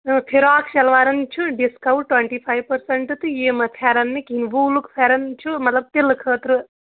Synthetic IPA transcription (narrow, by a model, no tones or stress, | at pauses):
pʰiɾaːksɐlʋaːɾɐnt͡ʃʰuɖiskɐwʈʈːweɳʈipʰajʋpɐɾsɐɳʈt̪ɨjemɐt̪ʰaːɾɐnːikinʋulukpʰeːɾɐnt͡ʃʰumɐt̪lɐb̚t̪elkʰəːt̪ɾɨ